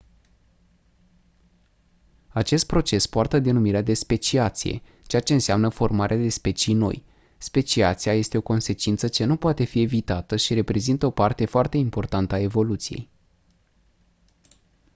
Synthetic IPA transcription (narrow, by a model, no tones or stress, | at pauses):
at͡ʃe̞st̪̚pɾo̞t͡ʃe̞spoart̪əd̪enumiɾead̪e̞spe̞t͡ʃiat̪sije̞̰ | t͡ʃe̞jat͡ʃe̞ɨnseamnəfo̞rmaɾead̪e̞spe̞t͡ʃijno̞̰j | spe̞t͡ʃiat̪siaje̞st̪e̞o̞ko̞nse̞t͡ʃint̪sət͡ʃe̞nupoat̪e̞fie̞vit̪at̪əʃiɾe̞pɾe̞zint̪əo̞part̪e̞foart̪e̞impo̞rt̪ant̪əae̞vo̞lut̪sije̞̰j